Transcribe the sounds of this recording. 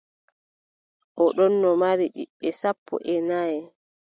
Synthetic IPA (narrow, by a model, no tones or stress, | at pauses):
ʔɔɗɔnːɔmaɾiɓḭɓːɛsapʰːɔ̰ʔɛnajɛ